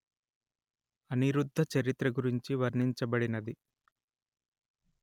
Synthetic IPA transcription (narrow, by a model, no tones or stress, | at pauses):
ɐniɾud̪ʱːɐt͡ʃɐɾit̪ɾɐɡuɾiɲt͡ʃiʋɐɾniɲt͡ʃɐbɐɽinɐd̪i